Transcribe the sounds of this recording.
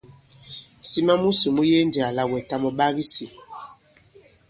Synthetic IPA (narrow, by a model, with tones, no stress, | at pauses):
si˦ma˦mu˦su˨mu˦je˦n˦di˨a˨la˦wɛ˨ta˦mɔ˨ɓa˦ɣi˦si˨